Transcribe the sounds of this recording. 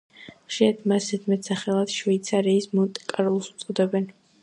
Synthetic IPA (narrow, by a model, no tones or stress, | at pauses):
χʃiɾat̪ʰmasɛt̪ʰmɛt̪ʰsaχɛlˠad̪̥ʃveit̪sʰaɾiːsmɔt̪ʼɛkʼaɾɔlˠsu̥t̪sʼqʼɔd̪ɛbɛn